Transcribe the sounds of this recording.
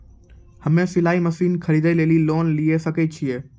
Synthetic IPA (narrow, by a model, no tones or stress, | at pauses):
hɐmẽsɪlaːimɐsiːnkʰɐɾiːd̪əleːliloːnliesɐket͡ɕʰieː